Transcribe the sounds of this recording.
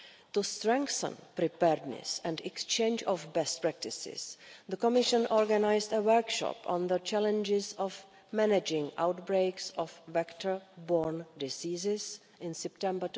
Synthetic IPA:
t̪ustɾɛ̃ŋkθə̰̃npɾɪpɛɾdnɛ̰sɛ̃ndɛkst͡ʃẽjnd͡ʒɔfbɛst̚pɹɛk̚tɪsɪ̰sðəkɔmɪʃə̃nʔɔɹɡanajstəwəɾkʃɔ̰pɔ̰̃nðət͡ʃɛlɛ̃nd͡ʒɪsɔf | mɛnɛd͡ʒɪ̃ŋʔa̰wtbɾejksɔfvɛktʰəɹbɔɹndɪsiːzɪs | ɪ̃nsɛptɛ̃mbət

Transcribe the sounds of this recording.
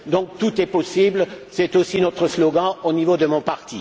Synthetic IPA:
d̪ɔ̃k̚t̪ut̪ɛpɔsiblsɛt̪osinɔt̪χəslɔɡɑ̃onivod̪əmɔ̃paʁt̪i

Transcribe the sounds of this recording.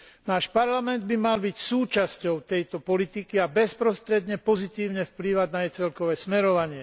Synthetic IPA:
naːʃpaɾlamɛnd̪̚bimalbicsuːt͡ʃascɔʊt̪ɛjt̪ɔpɔlit̪ikiabɛspɾɔst̪ɾɛd̪ɲɛpɔzit̪iːʊɲɛfpliːʋaɟnajɛt͡sɛlkɔʋɛːsmɛɾɔʋaɲɪɛ

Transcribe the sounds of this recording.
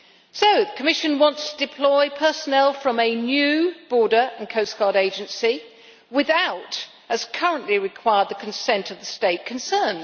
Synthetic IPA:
soʊðəkʰəmɪʃɨ̃nwɑ̃ntstʰd̥ɨpʰl̥ɔɪpʰɜ˞sənɛlˠfɹʌ̃mɨnjʉb̥ɔɹɾə˞ʔə̃nkʰəʊskʰɑɹɾeɪd͡ʒɨ̃nsi | wɪðaʊt | ɨz̥kʰʌɹə̃nʔliɹɨkʰw̥aɪəd̪̚ðəkʰn̩sɛ̃ntʰʌvðəsteɪt̚kʰɨ̃n̩sɜ̃˞n

